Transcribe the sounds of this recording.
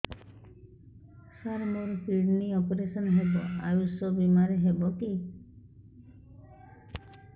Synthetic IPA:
saɾmoɾpiɖniɔpɾesɔnɦebɔajusɔbimaɾeɦebɔki

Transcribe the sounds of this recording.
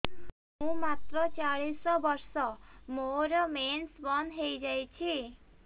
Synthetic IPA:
ɦũmat̪ɾɔt͡ʃaɭisɔbɔɾsɔmoɾɔmensbɔnɦejd͡ʒajt͡ʃʰi

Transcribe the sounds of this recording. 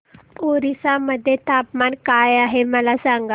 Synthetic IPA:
oɾisaməd̪ʱːjet̪apmankajaɦeməlasãŋɡa

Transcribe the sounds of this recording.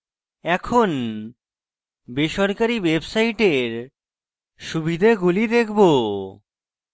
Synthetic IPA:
ɛkʰon | beʃɔɾkaɾiwebsajʈeɾ | ʃubʱid̪ʱeɡulid̪ekʰbo

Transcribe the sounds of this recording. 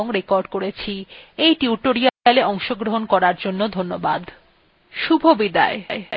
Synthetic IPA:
oŋɾekoɾɖkoɾet͡ɕʰiejʈiuʈoɾiaaleʔɔŋʃoɡɾoɦonkɔɾaɾd͡ʑonːod̪ʱonːobad̪ | ʃubʱobid̪a̰ee

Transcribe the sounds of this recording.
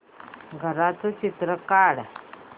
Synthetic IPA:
ɡʱəɾat͡sət͡ɕit̪ɾəkaɽ

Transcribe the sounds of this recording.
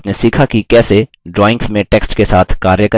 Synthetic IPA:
pnesiːkʰakikɛːse | ɖɾɔːɪ̃ŋɡsmẽʈɛːksʈkesaːt̪ʰkaːɾjəkə

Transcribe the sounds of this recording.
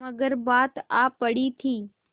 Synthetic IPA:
əɡəɾbaːt̪aːpəɽiːt̪ʰiː

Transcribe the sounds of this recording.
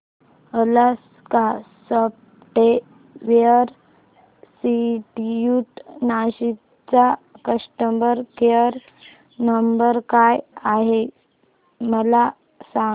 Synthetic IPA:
ələs | kasəp̚ | ʈe | ʋjəɾ | siʈijuʈnaɕi | t͡sakəsʈəmbəɾkeəɾ | nəmbəɾkajaɦe | məla | sa

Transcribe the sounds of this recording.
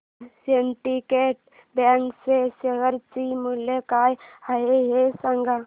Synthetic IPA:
seɳʈikeːʈ̚ | bãŋkseseɡəɾt͡ʃimulekaːjhaɦeɦesaŋɡa

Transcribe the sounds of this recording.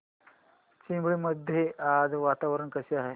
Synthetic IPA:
t͡ɕimbɭiməd̪ʱːjeʔad͡z̪ʋat̪aʋɾəɳkəɕeaɦe

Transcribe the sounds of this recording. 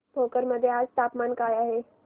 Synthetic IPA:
bʱoːkəɾməd̪ʱjeaːd͡ʒt̪aːpmaːnkaːjaɦɛː

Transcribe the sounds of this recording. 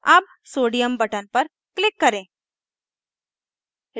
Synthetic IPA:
ɐb̚ | soːɽijəmbəʈənpəɾ | klɪkːɐɾẽː

